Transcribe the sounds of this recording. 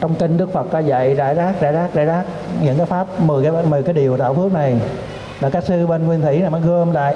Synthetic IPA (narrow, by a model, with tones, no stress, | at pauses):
t͡ɕɔ˧wŋ͡mki˧ŋ̟ɗɨ˦˥ək̚fə˨˩t̚a˨˧˦za̰˧˨jza̰ː˧˩jzaː˦˥k̚za̰ː˧˩jzaː˦˥k̚za̰ː˧˩jzaː˦˥k̚ɲɨ̰˧˥ŋkaː˨˦jfaː˦˥p̚mɨː˨˩kaː˨˦˧mɨː˨˩jkaː˨˦jɗi˨˩əwt̪a̰ː˧˨wfɨ˦˥ək̚na˨˩j | laː˨˩kaː˦˥k̚sɨ˧ɓe˧nŋwi˧nt̪ʰḭ˧˩˦naː˨˩ma˨˦jɣə˧ə˧mla̰ː˧˨j